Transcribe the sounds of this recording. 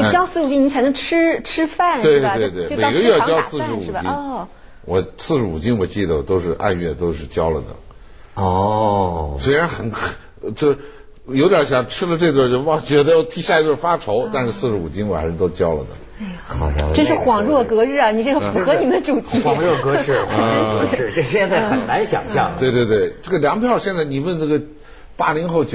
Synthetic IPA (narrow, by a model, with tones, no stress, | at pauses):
o˥˩˥t͡ɕjɑ˥ʊsɹ̩˥˩˧u˨˩t͡ɕi˥ni˧˥t͡sʰɪnɤ˧˥ŋʈ͡ʂʰɻ̩˥ʈ͡ʂʰɻ̩˥fa˥˩nwe˥˧ɪt̪we˥˧ɪt̪we˥˩ɪ˥˧me˨˩˧ɪ˧ɡə˧ɥɛ˥˧jjɑ˥ʊsɹ̩˥˧ʂɻ̩˧˥u˨˩t͡ɕi˥n | wɔ˨˩sɹ̩˥˩ʂɻ̩˧˥ṵ˨˩t͡ɕi˥nwɔ˨˩t͡ɕi˥˩d̪ə˩t̪o˥ʊʂɻ̩˥˧ʔa̰˥˧nɥɛ˥˩t̪o˥ʊʂɻ̩˥˩t͡ɕjɑ˥ʊlə˨d̪ə̰˩ | ɔ˥˩ | swe˥ɪɻa˧˥nxə˧˩n | t͡ɕo˥˩ | jo˧ʊt̪jɑ˞˨˥ɕjɑ˨˩ŋʈ͡ʂʰɻ̩˥lə˨˧ʈ͡ʂɤ˥˧i˧t̪wə˥˧˩o˥˧˩wt͡ɕɥɛ˧˥d̪ə˧jɑ˥˩ʊt̪ʰi˥ɕja˥˩˧i˥t̪wə˥˧˩fa˥ʈ͡ʂʰo˧˥ʊt̪a˥˧nʂɻ̩˥˧sɹ̩˥˩ʂɻ̩˧˥u˨˩t͡ɕi˥ŋwa̰˨˩n˥ʂə˧˥˧t̪o˥ʊʂ̩˧t͡ɕjɑ˥ʊlə̰˨d̪ə̰˩˥˧ | xɑ̰˨˩˧ʈ͡ʂə˥nʂɻ̩˥˩xwɑ˨˩ŋɻwɔ˥˩kɤ˧˥ɻɻ̩˥˩ɐ˩ni˨˩ʂ̬ɛ˥˧˩ʂfu˧˥xɤ˧˥ni˨˩mnə˧ʈ͡ʂu˨˩t̪ʰi˧˥˨ŋɻwɔ˥˩kɤ˧˥ʂɻ̩˥˩˧ɻ̩˥˩˥ɕjɛ˥˧nt͡sa˥˩ɪxə˨˩nna˧˥nɕjɑ̰˨˩ŋtɕjɑ˥˩ŋwe˥˧ɪt̪we˥˧ɪt̪we˥˩ɪʈ͡ʂɤ˥˩ɡə˩ljɑ˧˥ŋpʰjɑ˥˧ʊɕjɛ˥˧nt͡sa˥˩ɪni˨˩wə˥˧nnə˥˩ɡə˩ | pa˥˩li˧˥ŋxo˥˧ʊt͡ɕ